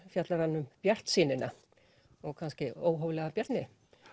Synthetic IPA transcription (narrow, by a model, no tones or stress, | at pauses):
fjat̪laɾanːʏmpjɛr̥t̪siːnɪna | ɔɣkʰanscɪoːwɦɔːwvlɛːɣapjɛɾt̪nɪ